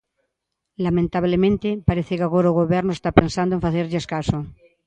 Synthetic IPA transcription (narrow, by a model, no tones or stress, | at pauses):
lamẽnt̪aβlemẽnt̪epaɾeθekaɣoɾauɣoβɛɾnoest̪apensand̪oẽfaθeɾʎeeskaso